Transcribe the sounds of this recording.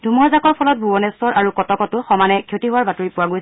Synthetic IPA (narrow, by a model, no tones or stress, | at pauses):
dʱumɔzakɔɹpʰɔlɔt̚bʱubɔnɛsɔɹʔaɹukɔtɔkɔtʊxɔmanɛkʰjotiɦʊwaɹbatuɹipʊwaɡojs